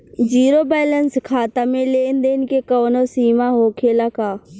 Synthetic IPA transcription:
d͡ʒiːɾobɛːlənskʰaːt̪amẽleːnd̪eːnɪkekoːnosiːmaɦoːkʰelakaː

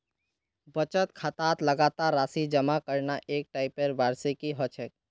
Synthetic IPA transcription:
bət͡ʃət̪kʰat̪at̪ləɡat̪aɾːasid͡ʒəmakəɾnaʔek̚ʈaɪpeɾbaɾsekiɦɔt͡ʃʰɛk̚

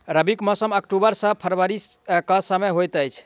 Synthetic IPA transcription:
ɾəbikmɔsəməkʈubəɾsə̃pʰəɾʋəɾikəsəmeɦojt̪əjt͡ʃʰ

